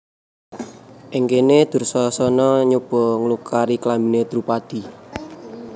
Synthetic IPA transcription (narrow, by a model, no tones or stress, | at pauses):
ʔeŋkened̪̥ṳrsɔsɔnɔɲob̥ɔ̤ŋəlukʰaɾiklambi̤ned̪̥ɾupad̪̥i̤